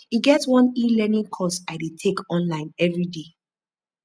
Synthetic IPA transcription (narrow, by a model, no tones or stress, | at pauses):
iɡɛtwɔ̃nilɛnĩŋkʰɔsaɪdetʰekɔ̃nlãɪ̃nɛvɹide